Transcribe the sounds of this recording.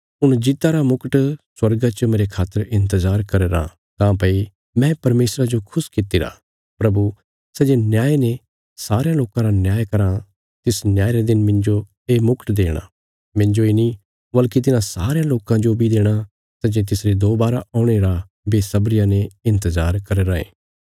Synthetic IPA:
ʊɽ̃d͡ʒɪt̪aɾamʊkəʈswɐɾɡat͡ʃəmeːɾekʰaːt̪ːəɾɪ̃nt̪əzaːɾkɐɾeːɾã̰ | t̪ãːpɐi | mɛ̃pɐɾmeːsɾad͡ʒokʰʊskɪt̪ːiɾa̰ | pɾɐbu | sɛd͡ʒenjaːene | saːɾejãloːkãɾanjaːjkɐɾã | t̪ɪsnjaːeɾed̪ɪnmɪ̃ɲd͡ʒo | eːmʊkʈd̪eːɽ̃a̰ | mɪ̃ɲd͡ʒoeni | bɐlkit̪̬ɪnãsaːɾejãloːkãd͡ʒobʱid̪eːɽ̃a | sɛd͡ʒet̪̬ɪsɾed̪oːbaːɾaaːʊɽ̃eɾa | beːsɐbɾɪjãneɪ̃nt̪əzaːɾkɐɾeɾaḛː

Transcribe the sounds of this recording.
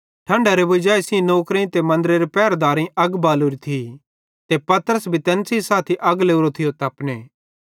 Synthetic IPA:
ʈʰɐ̃ɳɖaɾebʊd͡ʒaːisĩnoːkɾẽt̪emɐ̃nd̪əɾeɾepɛːɾd̪aːɾĩʔɐɡbaːluɾit̪ʰi | t̪epɐt̪əɾəsbʱit̪ɛ̃ːnsisaːt̪ʰiʔɐɡleuɾot̪ʰɪjot̪ɐpneː

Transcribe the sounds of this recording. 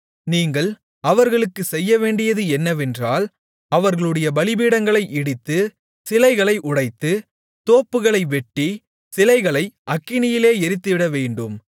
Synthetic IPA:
niːŋɡɐɭ | ɐʋɐɾɣɐɭɯkːɯsɛjːɐʋeːɳɖɪjɐðɯɛnːɐʋɛndraːl | ɐʋɐɾɣɐɭɯɽɐjɐbɐlɪbiːɽɐŋɡɐɭɐɪʔɪɽɪt̪ːɯ | sɪlɐɪɣɐɭɐɪʔʊɽɐɪt̪ːɯ | t̪oːpːɯɣɐɭɐɪʋɛʈːi | sɪlɐɪɣɐɭɐɪʔɐkːɪnɪjɪleːɛɾɪt̪ːɯʋɪɽɐʋeːɳɖɯm

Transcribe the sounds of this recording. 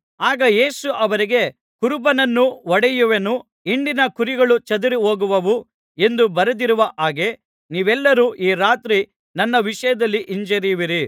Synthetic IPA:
aːɡɐje̞ːsuʔɐʋɐɾiɡe̞ | kuɾubɐnɐnːuʋɔɽɛjuʋenu | iɳɖinɐkuɾiɡɐɭut͡ʃɐd̪uɾiɦoːɡuʋɐʋu | e̞nd̪ubɐɾɐd̪iɾuʋɐʔaːɡe̞ | niːʋɛlːɐɾuːʔiːɾaːt̪ɾi | nɐnːɐʋiʂɐjɐd̪ɐlːiʔiɲd͡ʒɐɾiʋiɾi

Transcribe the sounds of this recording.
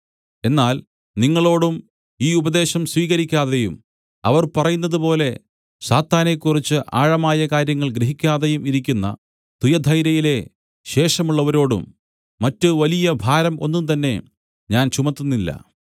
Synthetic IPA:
e̞nːaːl | niŋːɐɭo̞ːɽum | iːubɐðe̞ːɕɐmsʋiːɣɐɾikʲːaːðejum | ɐ̰ʋɐrpɐrɐjunːɐðupo̞ːle̞ | ɕaːt̪aːne̞kːurit͡ɕːɨʔa̰ːɻɐmaːjɐkaːɾjɐŋːɐɭɡɾeɦikʲːaːðejumiɾikʲːunːɐ̰ | t̪ujɐd̪ʱɐjɾɐjile̞ | ɕe̞ːʂɐmuɭːɐʋɐɾo̞ːɽṵmː | ɐtːɨʋɐlijɐbʱaːɾɐmo̞̰nːunt̪̬ɐnːe̞ | ɲaːnt͡ɕumɐt̪ːunːilːɐ̰

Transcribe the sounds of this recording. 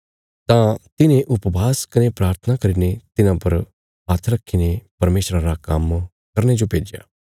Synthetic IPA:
t̪ãt̪ɪnẽʔʊpbaːskɐnepɾaːɾt̪ʰənakɐɾinet̪ɪnãpɐɾ | ɦaːt̪ʰɾɐkʰːinepɐɾmeːʃɾãɾakɐm | kɐɾñed͡ʒopeːd͡ʒja̰ː

